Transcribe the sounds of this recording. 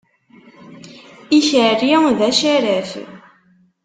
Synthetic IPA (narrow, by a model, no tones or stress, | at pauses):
içəriðæʃæɾəf